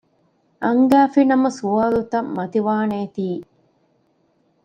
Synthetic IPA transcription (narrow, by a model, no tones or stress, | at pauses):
ʔɐŋɡæːfinɐmɐsuaːlut̪ɐmːɐt̪iʋaːneːt̪iː